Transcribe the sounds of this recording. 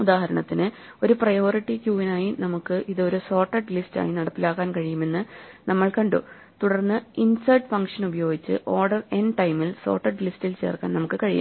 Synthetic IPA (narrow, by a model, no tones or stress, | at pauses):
ud̪aːɦɐɾɐɳɐt̪ːinɨ | o̞ɾuprɐjo̞ːriʈːikjuːʋinaːjinɐmukːɨʔiðɨo̞ɾuso̞ːrʈːɐʈlista̰ːjinɐɽɐpːilaːkːaːnkɐɻijume̞nːɨnɐmːɐɭkɐɳɖṵ | t̪uɽɐrnːɨinsɐːɖfɐŋkʂɐnubɐjo̞ːɡit͡ɕːɨ̰ʔo̞ːɖɐre̞nʈɐjmilso̞̰ːrʈːɐɖlistilt͡ɕe̞̰ːrkːa̰ːnɐmukːɨkɐɻijṵ